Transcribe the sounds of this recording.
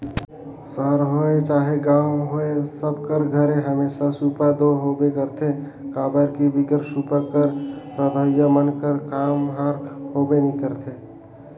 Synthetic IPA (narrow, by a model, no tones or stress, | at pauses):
səɦɾɦoet͡ʃaːɦeɡaːʊɦoesəb̚kəɾɡʱəɾẽɦəmeːʃasuːpad̪oɦobekəɾt̪ʰe | kaːbəɾkibɪɡəɾsuːpakəɾpɾəd̪ʱəjəmənkəɾkaːmɦaːɾhobenĩkəɾt̪ʰe